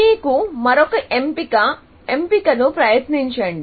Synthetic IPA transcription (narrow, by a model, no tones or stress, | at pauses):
iːkumɐɾɔkɐʔempikɐ | empikɐnupɾɐjɐt̪niɲt͡ʃɐɳɖi